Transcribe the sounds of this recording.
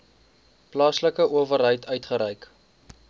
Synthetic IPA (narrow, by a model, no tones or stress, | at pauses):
plɑːsləkəʔuəvəɾɦəjtœɥtχəɾɛjk